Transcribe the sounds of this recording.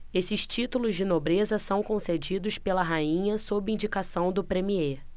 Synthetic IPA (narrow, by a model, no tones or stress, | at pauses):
esɪʃt͡ʃit̪ulʊzd͡ʒɪnobɾezɐsɐ̃w̃kõsed͡ʒid̪ʊspelɐɦaĩɲɐsobɪĩd͡ʒikasɐ̃w̃d̪ʊpɾẽmie